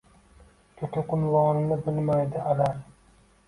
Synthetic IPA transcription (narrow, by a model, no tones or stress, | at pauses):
kʲʰɵk̪ʲʰaqʊnvɒːnɪnɪbɪlmajd̪ɪalaɾ